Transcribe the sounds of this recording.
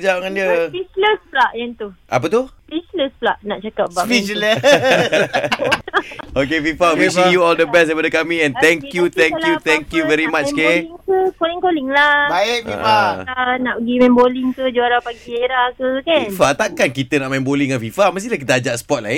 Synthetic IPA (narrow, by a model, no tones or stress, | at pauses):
d͡ʒaʔŋandiəfisləsplaʔjaŋt̪ua̰p̬ət̪ufisləspla̰ʔnaʔt͡ʃakap̚bafilə | ok̬efifavisiŋjuɔldəbɛsdəpadəkamĩɛ̃nt̪ɛŋkjut̪ɛŋkjut̪ɛŋkjuvɛɾimat͡ʃkeiŋkəkoliŋkolɪŋlabaɪʔḭaanaʔpɡimɛ̃mboliŋkəd͡ʒuaɾapaɡieɾahkəkainfat̪akankit̪ənaʔmɛ̃mboliŋanfifaməs̬t̪ilahk̬it̪əad͡ʒaʔsə̥pɔt̪̚la̰i